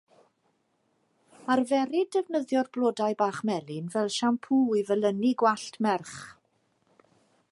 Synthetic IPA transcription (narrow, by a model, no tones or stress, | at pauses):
arvɛɾɪdɛvnəðjɔrblˠoːdajbaːχmɛlɪnvɛlˠʃampʰuːivələniɡwaɬtʰmɛrχ